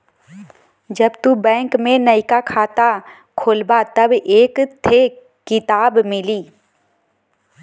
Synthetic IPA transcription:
d͡ʒɐbt̪ubɛ̃ːŋkmẽnəɪkakʰaːt̪a | kʰolbat̪ɐbeːkt̪ʰe | kɪt̪aːbmɪliː

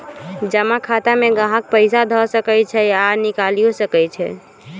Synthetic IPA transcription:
d͡ʒəmakʰat̪ameɡãɦə̃k̚pəɪsad̪ʱɔsəkɛjt͡ʃʰɛanikalijosəkɛjt͡ʃʰɛ̰

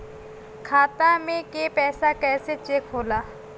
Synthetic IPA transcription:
kʰaːt̪amẽkeːpɛːsakɛːset͡ʃekɦoːlaː

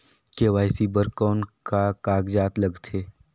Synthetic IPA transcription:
keʋaːɪsibəɾkɔːnkakaːɡd͡ʒaːt̪lɐɡt̪ʰeː

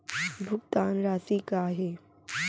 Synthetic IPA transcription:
bʱʊk̚t̪aːnɾaːsiːkaːɦeː

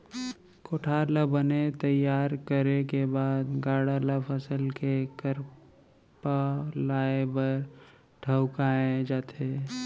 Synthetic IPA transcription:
koːʈʰaːɾləbənet̪əjaːɾkəɾekebaːd̪ɡaːɽalapʰəsəlkekəɾ | palaːebəɾ | ʈʰəʊkaẽd͡ʒaːt̪ʰe

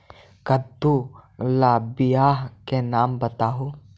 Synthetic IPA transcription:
kɐd̪ulaːbijaːɦkenaːmbɐt̪aːɦuː

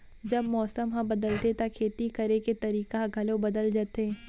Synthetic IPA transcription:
d͡ʒɐbmɔːsəmɦɐ̃bɐd̪əlt̪et̪akʰeːt̪ikɐɾeket̪ɐɾiːkaɡʱɐlobɐd̪əld͡ʒaːt̪e

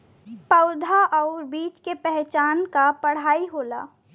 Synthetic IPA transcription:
pɐʊd̪ʱaʔɔːɾbiːt͡ʃkepɛɦt͡ʃaːnkapəɽ̤aːiɦoːla̰ː

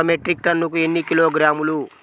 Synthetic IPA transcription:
omeʈɾik̚ʈɐnːuk̬ue̞nːikilo̞ːɡɾaːmulu

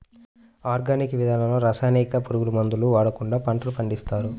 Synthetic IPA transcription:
aːɾɡaːnikiʋid̪ʱaːnɐloːɾasaːnikɐpuɾuɡulumɐnd̪uluʋaːɽɐkuɳɖaːpɐɳʈɐlupɐɳɖist̪aːɾu

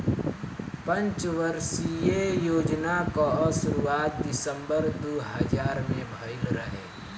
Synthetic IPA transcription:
pə̃nt͡ʃʋəɾsijejoːd͡ʒnakaʃʊɾuaːt̪̚d̪ɪsə̃mbəɾd̪uɦəd͡ʒaːɾmẽbʱəɪlɾəɦḛː

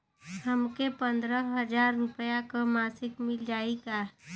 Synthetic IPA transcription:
həmkepə̃nd̪ɾəɦəd͡ʒaːɾːʊpəjakomaːsɪkmɪld͡ʒaːika

